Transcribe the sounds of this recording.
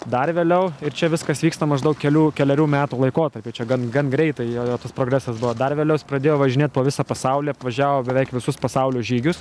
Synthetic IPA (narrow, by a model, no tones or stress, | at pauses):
d̪ɐrʋʲeːlʲɛʊɪrt͡ʃʲɛʋʲɪskɐsʋʲiːkst̪ɐmɐʒd̪ɐʊkʲkʲɛlʲuːkʲɛlʲɛɾʲuːmʲæːt̪uːlˠɐɪkoːt̪ɐrʲpʲɪt͡ʃʲɛɡɐnɡɐnɡɾʲɛɪt̪ɐɪjoːjoːt̪ɐspɾoːɡɾʲæsɐsbʊʋoːd̪ɐrʋʲeːlʲɛʊspɾɐd̪ʲeːjoːʋɐʒʲɪnʲeːt̪poːʋʲɪsɐpɐsɐʊlʲiːpʋɐʒʲæːʋoːbʲɛʋʲɛɪkʋʲɪsʊspɐsɐʊlʲoːʒʲiːɡʲʊs